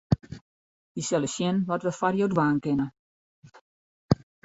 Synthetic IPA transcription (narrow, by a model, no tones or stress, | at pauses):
isɛlˠəʃjɪnʋɔtʋəfarjodʋaːnkɪnə